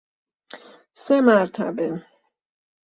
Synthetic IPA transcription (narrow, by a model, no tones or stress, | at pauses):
semaɾt̪ʰa̰be